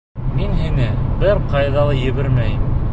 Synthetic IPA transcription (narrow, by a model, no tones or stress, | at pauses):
minɦinɘbɘɾqɑjðɑlˠɤjɘ̆βɘɾmæj